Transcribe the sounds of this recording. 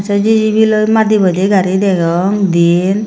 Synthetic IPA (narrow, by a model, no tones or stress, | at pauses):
at͡ʃad͡ʒid͡ʒibilojmaibɔd̪iɡaɾidɛɡɔŋd̪in